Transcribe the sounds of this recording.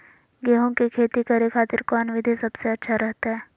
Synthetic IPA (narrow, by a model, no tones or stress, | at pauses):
ɡɛːɦõkekʰeːt̪ikɐɾekʰaːt̪ɪɾkɔnʋɪd̪ʱesɐbseɐtːʃʰaɾɛɦt̪aɦɛː